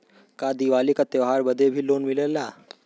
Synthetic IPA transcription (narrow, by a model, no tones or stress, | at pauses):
kad̪iʋalikat̪eʋɦaɾbəd̪ʱebʱiːloːnmilela